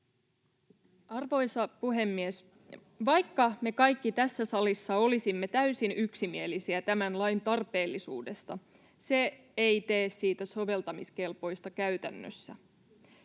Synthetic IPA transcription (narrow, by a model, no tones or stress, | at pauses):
ɑrʋo̞jsɑpuɦe̞mːies | ʋɑjkːɑme̞kɑjkːit̪æsːæsɑlisːɑo̞lisimːet̪æysinyksimielisiæt̪æmænlɑjnt̪ɑrpe̞ːlːisṵːde̞st̪ɑ | se̞ | ejt̪eːssiːt̪æso̞ʋe̞lt̪ɑmiske̞lpo̞jst̪ɑkæyt̪ænːø̰sːæ̰